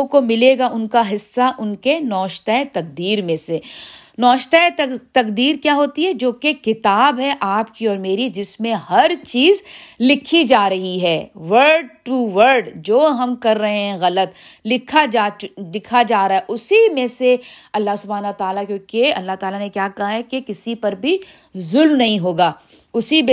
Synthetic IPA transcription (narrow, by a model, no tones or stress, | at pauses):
komɪleːɡaʔʊnkaɦɪsːaʔʊnkenɔːʃt̪aet̪ɐk̚d̪iːɾmẽsenɔːʃt̪at̪ɐkd̪iːɾkjaːɦoːt̪iɦɛd͡ʒoːkekɪt̪aːbɦɛʔaːpkiɔːɾmeːɾid͡ʒɪsmẽhɐɾt͡ʃiːzlɪkʰid͡ʒaːɾɐɦiɦɛːʋəɾɖʈuʋəɾɖd͡ʒoːɦɐmkɐɾːɐɦẽɦɛ̃ɣɐlət̪ | lɪkʰad͡ʒaːlɪkʰad͡ʒaːɾaːɛʔʊsimẽseɐlːaɦsʊbʱaːnɐt̪aːlakjõːkeɐlːaɦt̪aːlanekjaːkɐɦaɦɛkekɪsipɐɾbʱi | zʊlmnɐɦĩɦoːɡaː | ʊsime